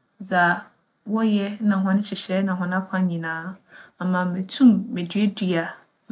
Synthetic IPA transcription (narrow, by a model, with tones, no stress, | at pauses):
za˨ | wɔ˦jɛ˦nã˨ɦɔ̃˦nʊ̃˦t͡ɕʰɪ˨ɕɛ˦nã˨ɦɔ̃˨n˦ã˦kʷʰã˦ɲĩ˨nãː˦a˨mã˨mẽ˨tʰũ˦mːẽ˨dɥe˦di˦a˨